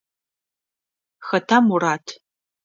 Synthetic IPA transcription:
xɐtʰamuraːtʰ

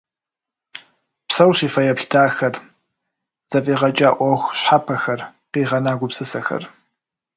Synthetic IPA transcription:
psɐwɕiːfɐjɐpxtʰaːxɐr | z̥ɐfʼiːʁɐt͡ʃʼaːʔʷɔxʷɕħapʰɐxɐrqiːʁɐnaːɡʷʊpsɨsɐxɐ̰r

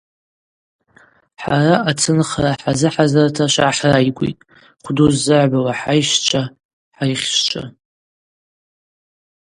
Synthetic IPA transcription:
ħaraʔat͡sʰɨnχraħazɨħazartʰaʃʷa̰ħrajɡʷʼḭtʼ | χʷduzːɨʕʷbawaħajʃt͡ʃʷʰa | ħajχʲʃt͡ʃʷʰʼa̰

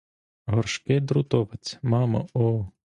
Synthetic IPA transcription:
ɦɔrʃkɪd̪ɾʊt̪ɔʋɐt͡sʲmɑmɐ̰ɔ

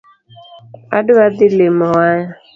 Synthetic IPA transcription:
a̰dʊadɪlemɔaja

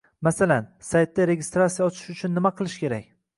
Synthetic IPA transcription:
masalansajt̪ːaɾeɡʲɪst̪ɾat̪sijaɒt͡ʃʰɪ̥ʃʊt͡ʃʰʊnːɪmaqʰɨlˠɪʃkʲe̞ɾakʲ

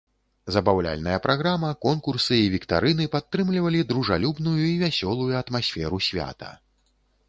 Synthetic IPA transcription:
zɐbawlʲa̰lʲnɐjɐpɾʔaɣɾamɐkɔnkursɨivʲikt̪a̰ɾɨnɨpat̪ːɾɨmlʲivɐlʲid̪ɾuʐalʲubnujuivʲasʲɔlˠujuɐt̪masʲfʲɛɾusʲvʲa̰t̪ɐ̰

